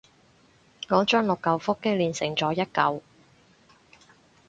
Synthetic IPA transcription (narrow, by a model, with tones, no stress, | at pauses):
ŋɔː˨˧˥t͡ʃœː˥ŋlʊ˨kːɐ˨wfʊ˥kːɪ˥liː˨nsɪ˨˩ŋt͡sɔː˨˥jɐ˥t̚kɐ˨˧w